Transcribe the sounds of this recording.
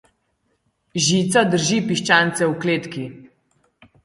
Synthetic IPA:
ʒiːt̪sad̪əɾʒipiʃt͡ʃant̪sɛwkleːt̪ki

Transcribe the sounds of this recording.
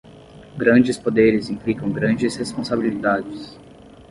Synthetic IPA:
ɡɾɐ̃d͡ʒɪspod̪eɾɪzĩplikɐ̃w̃ɡɾɐ̃nd͡ʒɪshespõsabilid̪ad͡ʒɪs

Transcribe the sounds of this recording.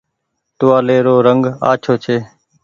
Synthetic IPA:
t̪ʊʋaːleːɾoːɾəŋɡa̰ːt͡ʃʰoːt͡ʃʰeː

